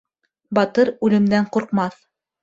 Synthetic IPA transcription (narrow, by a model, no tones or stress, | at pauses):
bɑt̪ɤɾʉlɘ̆md̪æɴquɾqmɑθ